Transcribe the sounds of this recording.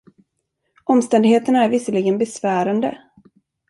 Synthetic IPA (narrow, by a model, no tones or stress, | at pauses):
ʔɔmst̪ɛnd̪ɪheːt̪ənaæɾvɪsəlɪɡənbɛsvæːɾand̪ə̰